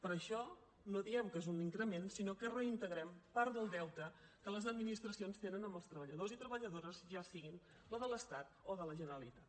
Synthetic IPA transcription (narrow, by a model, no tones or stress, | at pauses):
pəɾəʃɔ | noðiɛmkəezuniŋkɾəmensinokərəint̪əɣɾɛmpaɾdðəlˠd̪ɛwt̪əkələzəd̪̚minist̪ɾəsionst̪enənəməlˠst̪ɾəβəʎəðozit̪ɾəβəʎəðoɾəzʒasiɣin | ləðələst̪at̪oðələʒənəɾəlit̪at̪̚